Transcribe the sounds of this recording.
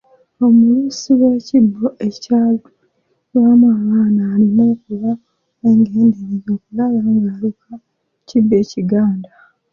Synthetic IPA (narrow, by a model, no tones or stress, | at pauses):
o̞mulusiwwe̞ːcibːo̞ʔe̞caːlu | wamuaβaːnaːlimoːkuβa | eŋɡe̞ːndeɲizo̞kulaβaŋɡalukʰa | cibːe̞ːciɡaːnda